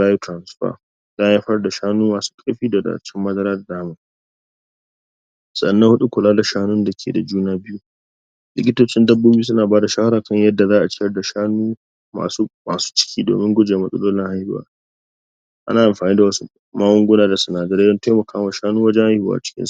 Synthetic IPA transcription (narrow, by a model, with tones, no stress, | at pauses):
aː˦ji˦tɾa˨nsɸa̰˦ | za˦ja˦ɸɐ˦rda˨ʃaː˦nuː˦maː˨su̥ː˦kʼɐ˦ɸiː˦da˨da̰˨t͡ʃɪ˦mːɐ˦zɐ˦ɾaː˦da˨daː˦mɐ˦˨ | sɐ˨ɗɐ˨nːɐ˦ŋhʊ˦ɗu˦kʷʊ˨laː˦da˨ʃaː˦nʊ˦nda˨kʲʰḛː˨da̰˨d͡ʒuː˦naː˦bɪ˦ju˦ | lɪ̰˦kʲɪ˦toː˦t͡ʃɪ˦ndɐ˦bːoː˦bi˦u˦s̬ʊ˦naː˨baː˦da˨ʃaː˦ha˦ɾaː˨kɐ˦˨ɲjɐ˦dːa˨zaː˦ʔa˨t͡ʃɪ˦jɐ˦rda˨ʃaː˦nuː˦ | ma̰ː˨su˦maː˨su̥ː˦t͡ʃɪ̥˦kʲʰiː˦do̰ː˨mɪ˦ŋɡʷʊ˦d͡ʒeː˨mɐ˦sʼɐ̰˦loː˦lɪ˦ŋha˦jhɪ˨˦wa̰ː˦ | ʔa̰˦naː˨ʔa˨mɸaː˨niː˦da˨wɐ˦su˦ | maː˦wʊ˦ŋɡʷʊ˦naː˦da˨su˨naː˨d͡ʒɐ˦ɾeː˦ɐ˦nta˦jmɐ˨kaː˦wa˨ʃaː˦nuː˦wɐ˦d͡ʒɛ˦ŋha˦hwa̰ː˨a˨t͡ʃɪ̥˦kʲɪ̰˦nsʔ